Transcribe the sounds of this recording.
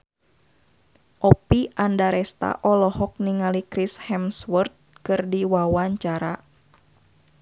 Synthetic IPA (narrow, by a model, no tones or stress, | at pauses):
ʔɔpiʔandaɾɛst̪a̰ʔɔlɔɦɔk̚niŋalikɾishɛmswurt̪̚kɨrdiwawaɲt͡ʃaɾa